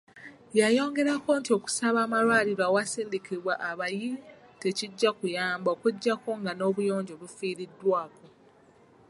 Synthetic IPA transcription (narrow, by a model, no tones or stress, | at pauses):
jajo̞ːŋɡe̞ɾako̞ntio̞ku̥saβaːmalwaːliɾoawasiːndikiβwaʔaβaji | te̞ciɟːakujaːmbo̞ːkuɟːako̞ŋɡano̞ːβujo̞ːɲɟo̞βufiːɾidːwaːko